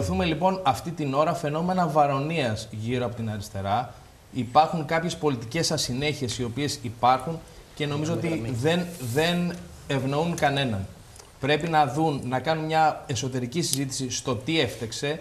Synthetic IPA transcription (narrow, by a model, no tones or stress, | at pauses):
luθume̞lipo̞nɐft̪it̪ino̞ɾɐfe̞no̞me̞nɐvɐɾo̞niɐzʝiɾoɐpot̪inɐɾist̪e̞ɾɐ | ipɐɾxuŋkɐpçe̞spo̞lit̪ice̞sːɐsine̞çie̞sio̞pie̞sipɐɾxunce̞no̞mizo̞ot̪iðe̞nðe̞n | e̞vno̞unkɐne̞nɐn | pɾe̞pinɐðunːɐkɐnunmɲɐe̞so̞t̪e̞ɾicisizit̪i̥sist̪o̞t̪ie̞ft̪ekse̞